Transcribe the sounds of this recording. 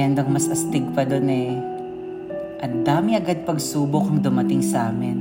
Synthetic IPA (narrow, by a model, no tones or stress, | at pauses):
ɛnd̪oɐŋmɐsɐst̪ɪɡ̚pɐd̪onɛ | ʔɐnd̪aːmɪɐɡad̪̚pɐɡsuːbokɐŋd̪ʊmɐt̪ɪŋsɐʔaːmɪn